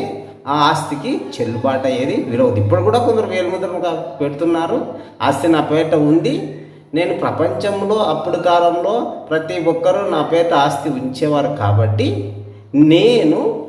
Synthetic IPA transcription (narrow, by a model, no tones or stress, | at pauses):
aːaːst̪ikit͡ʃe̞lːupaːʈɐjːeːd̪iʋiɾoːd̪ipːɐɽikuːɽaːkond̪ɐɾuʋeːlɐmɐnd̪ɐɾɐmkape̞ɽut̪unːaːɾua̰ːst̪inaːpɛːʈɐund̪i | ne̞ːnupɾɐpɐɲt͡ʃɐmlo̞ːɐpːuɽukaːlɐmlo̞ːpɾɐt̪iɔkːɐɾunaːpɛːʈɐaːst̪iuɲt͡ʃɛːʋaːɾuka̰ːbɐʈːi | ne̞ːnu